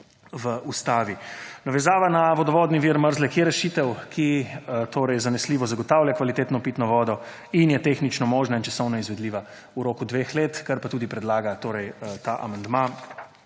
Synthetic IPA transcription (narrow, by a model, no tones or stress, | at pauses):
ʋəʔust̪aːʋinaʋɛzaːʋanaʋɔd̪ɔʋɔːd̪niʋiɾməɾzlɛkjɛɾɛʃiːt̪ɛwkʰit̪oːɾɛjzanɛsliːʋɔzaɡɔt̪awlʲjakʋalit̪eːt̪nɔpiːt̪nɔʋɔːd̪ɔ | injɛt̪eːxnit͡ʃnɔmoːʒnaint͡ʃḁsɔwnɔizʋɛd̪liːʋa | uɾoːkud̪ʋexleːt̪kaɾpat̪uːd̪ipɾɛd̪laːɡat̪oːɾɛjt̪aʔa̰mand̪ma